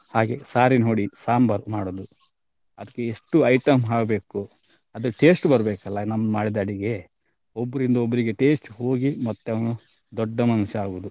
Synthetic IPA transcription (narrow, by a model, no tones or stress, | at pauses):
haːɡe̞saːɾinɦoːɽisaːmbɐɾmaːɽoːd̪u | ɐd̪ɐkːeeʂʈuɐjʈɐmɦaːɡbe̞ːku | ɐd̪ɐʈe̞ːsʈbɐɾɐbeːkɐlːɐnɐmɐnmaːɽid̪aːɽiɡe̞ | obːɐɾind̪ɐobːɐɾiɡe̞ʈe̞ːsʈɦoːɡimɐt̪ːeɐʋɐnu | d̪ɔɖːɐmɐnuʃɐaːɡoʋd̪u